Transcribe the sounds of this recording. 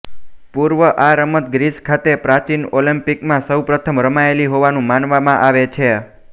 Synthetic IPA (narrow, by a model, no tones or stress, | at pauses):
puɾʋəʔaɾəmət̪̚ɡɾiskʰat̪epɾat͡ʃinolimpikmãsəwpɾət̪ʰəmɾəmaeliɦoʋanũmanʋamãʔaʋet͡ʃʰe